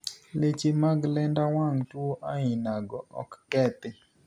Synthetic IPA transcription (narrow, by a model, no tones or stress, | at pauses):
let͡ʃemaɡlɛndawaŋtwoʔaɪnaɡɔʔɔ̰kːɛt̪ɪ